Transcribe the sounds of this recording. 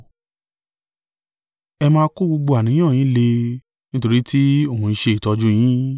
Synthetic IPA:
ɛ˧mãː˧˦˧ko˦ɡ͡bo˧ɡ͡bo˧a˨nĩ˨˦ã˦˨ĩ˨˦le˧ | nĩ˦to˧ɾi˦ti˦o˦˨hũ˧ĩ˧˦ʃe˧i˨tɔ˧d͡ʒũ˦j̃ĩ˦

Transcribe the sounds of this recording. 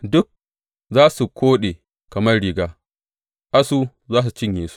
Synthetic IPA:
dʊ˦k̚ | zaː˦su˨kʷoː˦ɗe˨ | kɐ˨mɐ˦rɽiː˦ɡaː˦ | ʔa˦su˦ | zaː˦s̬u˨t͡ʃɪ˦ɲjeː˨su̥˦

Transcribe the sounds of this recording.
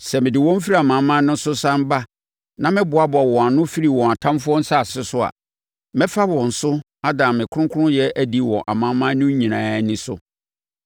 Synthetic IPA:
sɛ˨mɪ̃˨dɪ˨wɔ̃˦m̩˦fi˦ɾa˦a˨mã˨mã˦nʊ̃˦n˦sʊ˦sã˦m˦ba˦ | nã˦mɪ̃˦bʊ˨a˦ba˨wɔ̃˨a˨nʊ̃˦fi˦ɾi˨wɔ̃˨a˨tʰã˦mfʊ˦ɔ̃˦n̩˦sa˦˨sɪ˦sʊ˦a̰˨ | mɪ̃˦fa˦wɔ̃˨n̩˨sʊ˦ | a˦dã˨mɪ̃˨kʰʊ˦ʊ̃˦kʰʊ˦ʊ̃˦jɛ˦ʔæ˦di˦wɔ̰̃˨ʔa˨mã˦mã˦nʊ̃˦ɲĩ˨nãː˨˦nɪ̃˦sʊ˦

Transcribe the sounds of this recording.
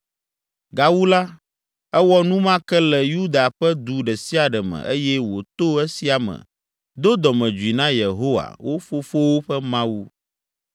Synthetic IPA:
ɡa˨wu˦la˦ | ɛ˦wɔ˦nũ˦mã˦kɛ˦lɛ˨ju˦d̪a˨ɸɛ˦d̪u˨ɖɛ˨si˦a˨ɖɛ˨mɛ̰̃˨ʔe˦jɛ˦wo˨t̪o˦ɛ˦si˦a˨mɛ̰̃˨ | d̪o˦d̪ɔ˨mɛ̃˨d͡ʒu˨i˨nã˦je˨ɦo˦wa̰˨wʔo˦fo˦fo˦wo˦ɸɛ˦mã˦wu˦

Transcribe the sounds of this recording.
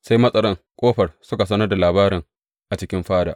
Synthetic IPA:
sa˦jmɐ˦sʼɐ˦ɽɐ˦ŋ | kʷʼoː˦ɸɐ˨rsʊ˦ka˨s̬ɐ˦nɐ˦rda˨laː˨baː˦ɾɪ˨ŋ | ʔa˨t͡ʃɪ˦kʲɪ˦mɸaː˦da̰˨ʔ

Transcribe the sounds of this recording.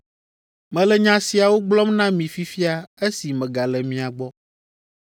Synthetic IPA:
mɛ̃˨lɛ˨ɲã˨˦si˨a˨wo˦ɡ͡blɔ˦mnã˦mĩ˨fi˦fi˦a˨e˦si˨mɛ̃˨ɡa˨lɛ˨mĩ˨a˨ɡ͡bɔ˦

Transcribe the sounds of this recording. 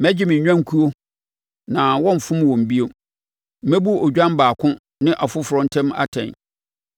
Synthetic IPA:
mæ˦d͡ʑɪ˦mɪ̃˨ɲɲᶣã˦ŋ˦kʰu˦o˦ | nã˨wɔ̃˦m˨fʊ̃˦mwɔ̃˨m˨bi˦o˨ | m̩˦mæ˦bu˦ɔ˨d͡ʑᶣã˦m˦baː˨kʰʊ̃˦ | nɪ̃˦ʔa˨fʊ˦fʊ˨ɾɔ̃˨˦n˦tʰɛ̃˦ma̰˦tʰɛ̰̃˨n

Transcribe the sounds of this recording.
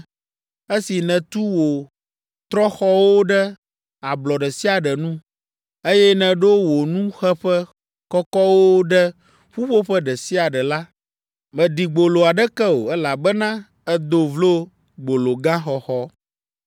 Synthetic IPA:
e˦si˨nɛ̃˨t̪u˦wo˨ | t̪ɾɔ˦xɔ˦wo˦ɖɛ˦ | a˨blɔ˨ɖɛ˨si˦a˨ɖɛ˨nũ˦ | e˦jɛ˦nɛ̃˨ɖo˦wo˨nũ˦xɛ˦ɸɛ˦ | kɔ˦kɔ˦wo˦ɖɛ˦ | ɸu˦ɸo˦ɸɛ˦ɖɛ˨si˦a˨ɖɛ˨la˦ | mɛ̃˨ɖi˨ɡ͡bo˨lo˨a˨ɖɛ˦kɛ˦wo̰˨ɛ˦la˨bɛ˦nã˦ | ɛ˦d̪o˦vlo˦ | ɡ͡bo˨lo˨ɡã˦xɔ˨xɔ˦

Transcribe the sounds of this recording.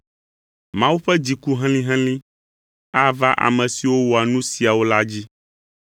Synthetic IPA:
mã˦wu˦ɸɛ˦d͡ʑi˨ku˦ɦɛ̃˦l̃ĩ˦ɦɛ̃˦lĩ˦ | a˦va˦ʔa̰˨mɛ̃˨si˨wo˦wo˨a˨nũ˦si˨a˨wo˦la˦d͡ʑi˦

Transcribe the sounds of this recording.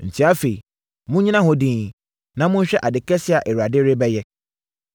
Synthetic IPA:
n̩˨tʰi˦a˦fe˨i˨ | mũ˦ɲĩ˦nã˦ɦɔ̃˦dĩ˦ | nã˦mʊ̃˦n̩˦ɕᶣɛ˦ʔa˨dɪ˨kɛ˦sɪ˦a˨ʔɛ˨wu˨a˨dɪ˦ɾɪ˦bɛ˦jɛ˦

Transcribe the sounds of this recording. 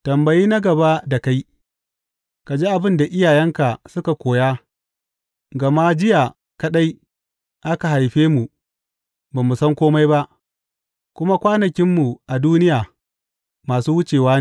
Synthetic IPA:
tɐ˨mbɐ˨jiː˦na˦ɡɐ˨ba˦da˨ka˦j | ka˨d͡ʒeː˦ʔa˨bɪ˦nda˨ʔɪ˦jaː˨jɛ˦ŋka˨sʊ˦ka˨kʷoː˨jaː˦ | ɡɐ˨ma˦d͡ʒɪ˦jaː˨ | kɐ˦ɗa˦j | ʔa˦ka˨ha˨jɸeː˦mu˨ | baː˨mu˨sɐ˦ŋkʷoː˦ma˦jba˦ʔ | kʷʊ˦ma˦kʷaː˦nɐ˨kʲɪ˦mːu˨ʔa˨duː˦nɪ˦jaː˨ | maː˨suː˦wʊ˦t͡ʃeː˨waː˦ne˨

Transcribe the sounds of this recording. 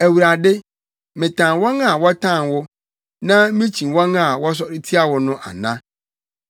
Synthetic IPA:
æ˨wu˨ɾa˨dɪ˦ | mɪ̃˨tʰã˨nwɔ˦ŋa˨wɔ˦tʰã˦˨nwʊ˦ | nã˦mĩ˦t͡ɕʰĩ˨wɔ̃˦ŋa˨wɔ˦s̬ɔ˦ɾɪ˦tʰi˦a˨wʊ˦nʊ̃˦ʔa̰˨nã˦

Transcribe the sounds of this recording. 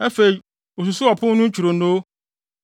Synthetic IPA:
ɛ˦fe˨i˨ | o˨s̬u˨sʊ˦ɔ˨pʰʊ̃˦nʊ̃˦ɲ̩˦t͡ɕʰᶣu˨ɾo˨no˦

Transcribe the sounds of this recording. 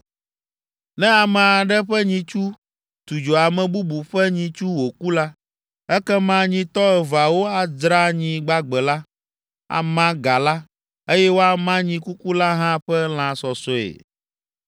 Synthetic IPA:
nɛ̃˦a˨mã˨a˨ɖɛ˦ɸɛ˦ɲĩ˨t͡ʃu˦ | t̪u˨d͡ʒo˨a˨mɛ̃˨bu˦bu˨ɸɛ˦ɲĩ˨t͡ʃu˦wo˨ku˦la˦ | ɛ˦kɛ˦mã˦ɲĩ˨t̪ɔ˦ɛ˨va˨wo˦a˨dɾa˦ɲĩ˨ɡ͡ba˦ɡ͡bɛ˨la˦ | a̰˨mã˦ɡa˨la˦ | e˦jɛ˦wo˦a˨mã˦ɲĩ˨ku˦ku˦la˦ɦã˦ɸɛ˦l̃ã˨sɔ˨sɔ˨ḛ˨

